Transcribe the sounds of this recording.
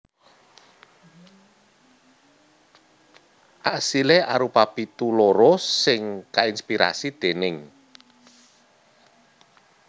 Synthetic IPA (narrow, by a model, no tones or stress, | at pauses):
ʔaʔsileʔaɾupapit̪uloɾosɪŋkainspiɾa̰sid̪̥e̤nɪŋ